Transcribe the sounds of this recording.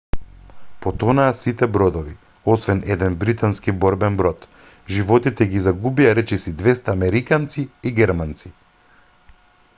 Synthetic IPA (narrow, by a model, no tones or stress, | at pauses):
pɔt̪ɔnaːsit̪ɛbɾɔd̪ɔvi | ɔsvɛnɛd̪ɛnbɾit̪anskibɔɾbɛnbɾɔt̪ | ʒivɔt̪it̪ɛɡizaɡubiaɾɛt͡ʃɛsid̪vɛst̪aːmɛɾikant̪siiɡɛɾmant̪si̥